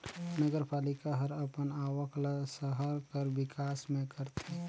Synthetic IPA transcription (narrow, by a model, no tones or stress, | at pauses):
nəɡəɾpaːlɪkaɦəɾəpənaːʋəklasəɦəɾkəɾʋɪkaːsmẽkəɾt̪ʰe